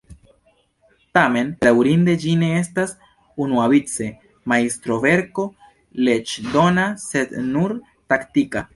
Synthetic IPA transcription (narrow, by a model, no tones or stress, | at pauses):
tame̞nɾawɾinde̞d͡ʒine̞estas | unuavit͡se̞ | maistɾo̞ve̞ɾko̞ | le̞t͡ʃdo̞nase̞dnuɾ | taktika